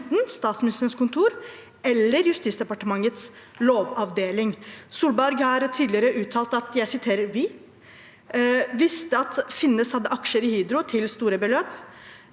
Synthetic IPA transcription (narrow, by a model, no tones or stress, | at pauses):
t̪n̩st̪ɑːt̪smɪnɪst̪ənskʊnt̪ʰuːɾ | ɛlːəɾjʉst̪ɪtsd̪ɛpɑʈəmɑŋːət̪s | loːʋɑʋd̪eːlɪŋsuːlbæɾɡhɑːɾt̪ʰiːd̪lɪəɾəʔʉːt̪ʰːɑːlt̪ɑt̪jæɪsɪt̪ʰeːɾəɾʋɪ | ʋɪst̪əɑt̪fɪnːəshɑd̪ːəʔɑkʂəɾɪhiːd̪ɾʊt̪ʰɪlst̪uːɾəbəløːp